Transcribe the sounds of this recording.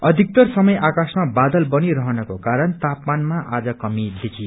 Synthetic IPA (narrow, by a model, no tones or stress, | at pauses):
ʌd̪ʱik̚t̪ʌrsʌmʌjʔakasmabad̪ʌlbʌniɾʌɦʌnʌkokaɾʌnt̪apmanmaʔad͡zʌkʌmid̪ekʰi